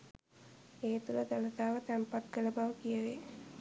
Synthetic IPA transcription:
eːt̪uləd̪alət̪aːʋət̪ɛmpat̪̚kələbaʋəkijəʋe

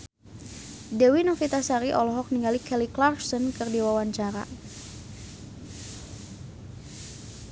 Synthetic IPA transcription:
dɛwinɔfit̪asaɾiʔɔlɔɦɔk̚niŋɡalikʰɛliklarfsɔnkɨrdiwawaɲt͡ʃaɾa̰

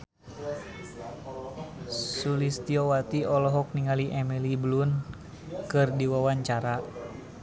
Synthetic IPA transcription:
sulist̪iɔwat̪iɔlɔɦɔk̚niŋaliʔɛmiliblun | kɨrdiwawaɲt͡ʃaɾa

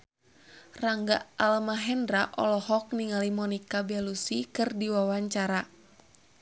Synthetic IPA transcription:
raŋɡa̰alamaɦɛndɾaʔɔ̰lɔhɔk̚niŋalimɔnikabɛlusikɨrdiwawaɲt͡ʃaɾa

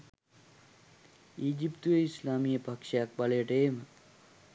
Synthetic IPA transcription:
iːd͡ʒipt̪ujəislaːmijəpakʂəjak̚baləjəʈəemə

